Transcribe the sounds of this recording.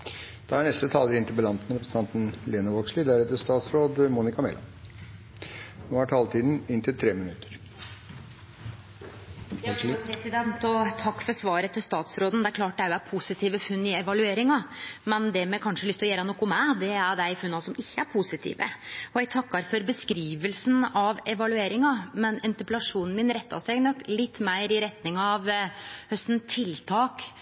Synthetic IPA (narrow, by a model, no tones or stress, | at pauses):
d̪̥ɑæɳɛst̪ət̪ʰɑːləɾɪnt̪ɪlbəlɑnt̪n̩ɾɛpɾsn̩ʰɑnt̪n̩leːnəʋoːkʂlɪd̪æɾɛt̪əst̪ɑːt̪sɾoːd̪muːnɪkɑmɛ̰lʔɑ̰n | hʊæʈʰɑːlt̪ʰiːd̪n̩ɪnt̪ʰɪlt̪ʰɾeːmɪnʉt̪ːə̥ɾ | pɾɛsɪd̪ɛnt̪ɔt̪ʰɑkːfɔɾsʋɑːɾət̪ʰɪlst̪ɑːt̪sɾoːd̪n̩d̪ɛæɾklɑːʈ̚d̪æjʊæɾpʰuːsɪt̪ʰiːʋəfʉnːɪɛʋɑlʉeːɾɪŋɑmɛnd̪ɛmɛkʰɑnʂəlʏst̪ɪlɔjeːɾənɔkːʊmæd̪ɛæɖæɪfʉnːɑsɔmɪçːəæɾpʰusɪt̪ʰḭːʋə̰ɔɛɡt̪ʰɑkːɑɾfɔɾbəskɾiːʋəlsnɑʋɛʋɑlʉeːɾɪŋɑmɛnɛnt̪əpɛlɑʂuːnn̩mɪnɾɛt̪ːɑ̰sɛɡnɔklɪt̪ːmæɪɾɪɾɛt̪nɪŋɑʋhœst̪n̩t̪ʰɪlt̪ʰɑːk